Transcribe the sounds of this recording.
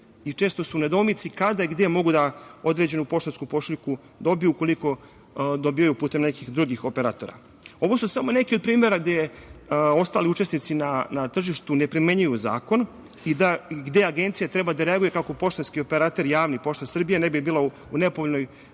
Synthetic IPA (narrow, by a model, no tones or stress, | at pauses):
it͡ʃe̞ːst̪o̞suned̪omit̪sikad̪aiɡd̪e̞mo̞ɡud̪ao̞d̪ɾe̞d͡ʑe̞nupo̞ʃt̪onskupo̞ʃliku | d̪o̞bijuko̞liko̞ | d̪o̞biːjajupuːt̪e̞mnekixd̪ɾuɡixo̞peɾaːt̪o̞ɾa̰ | o̞ʋo̞susamo̞ne̞kiod̪̚pɾiːme̞ɾaɡd̪ej | o̞st̪a̰ːliut͡ʃe̞snit̪sinanat̪r̩ʒiʃt̪une̞pɾime̞ɲujuza̰ːko̞n | id̪aiɡd̪e̞aɡe̞nt̪sijat̪ɾe̞bad̪aɾeaɡuje̞kakopo̞ʃt̪onskio̞peɾat̪e̞ɾjaːʋnipo̞ʃt̪asr̩bijenebibiːlˠa | une̞poʋolʲnoj